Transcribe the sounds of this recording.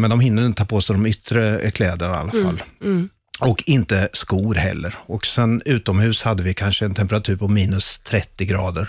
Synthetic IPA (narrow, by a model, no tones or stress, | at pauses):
mɛnd̪ɔmhɪnːəɾɪnət̪ʰɑːpʰoːsd̪ɔmʏt̪ːɾəkʰlɛːd̪əɳaa̰lːafa̰lː | ɔkʰɪnt̪əskuːɾhɛ̰lːəɾɔksɛnʉ̟ːt̪ɔmhʉ̟ːshad̪ːəvɪkʰanʂəɛnt̪ʰɛmpəɾat̪ʰʉ̟ːɾpʰɔmiːnɵst̪ʰɾɛt̪ːɪɡɾɑːd̪əɾ